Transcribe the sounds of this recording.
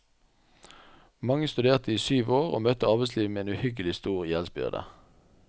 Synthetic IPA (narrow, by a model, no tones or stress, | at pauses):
mɑŋəst̪ʉd̪eːʁt̪əiːsyːʋoːʁo̰ːmœt̪əɑʁbɛsliːʋmeːeːnʉhʏɡəlɪst̪uːʁjɛlsbʏ̰ʁd̪ə̰